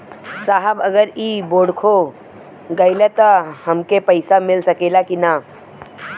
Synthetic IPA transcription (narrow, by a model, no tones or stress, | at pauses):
saɦəbəɡəɾiːboːɽkʰo | ɡəjlet̪əhəmkepəɪsamɪlsəkelakina